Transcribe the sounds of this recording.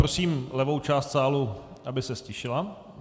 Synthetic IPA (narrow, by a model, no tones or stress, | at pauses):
ɾosiːmlɛvo̞wt͡ʃaːst̪saːlu | ʔabɪsɛscɪʃɪla